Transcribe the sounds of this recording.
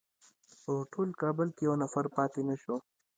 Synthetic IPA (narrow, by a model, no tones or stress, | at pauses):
oːʈʰoːlkaːbəlkijonɐfɐɾpaːt̪enɐʃo